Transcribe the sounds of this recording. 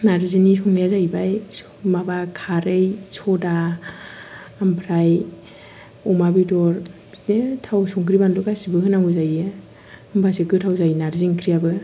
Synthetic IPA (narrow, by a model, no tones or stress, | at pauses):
naɾzinisɔŋlijazajbaj | mabakʰaɾɯjsʰɔda | mpʰɾaj | ɔmabidɔɾ | netʰawsɔŋkʰɾibandukasibɯhɯnaŋuzajɯ | ɯmbʰasikɯtʰawzajnaɾziŋkʰɾijabɯ